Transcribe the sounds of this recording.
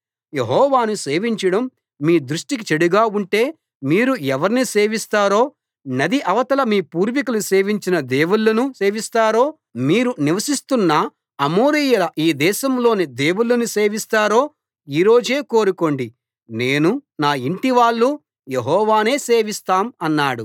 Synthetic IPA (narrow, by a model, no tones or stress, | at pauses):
jeɦɔːʋaːnuse̞ːʋiɲt͡ʃɐɽɐmː | iːd̪ɾuʂʈik̬it͡ʃeɽuɡaːuɳʈe̞ː | miːɾuɛʋɐɾnise̞ːʋist̪aːɾo̞ː | nɐd̪iʔɐʋɐt̪ɐlɐmiːpuːɾʋikuluse̞ːʋiɲt͡ʃinɐd̪e̞ːwulːɐnuse̞ːʋist̪aːɾo̞ː | miːɾuniʋɐsist̪unːɐ | ɐmoːɾijɐlɐʔiːd̪ɛːʃɐmlo̞ːnid̪e̞ːwulːɐnuse̞ːʋist̪aːɾoː | iːɾo̞ːd͡ʒe̞ːko̞ːɾuko̞ɳɖi | neːnunaːiɳʈiʋaːɭːu | jeɦɔːʋaːne̞ːse̞ːʋist̪aːmɐnːaːɽu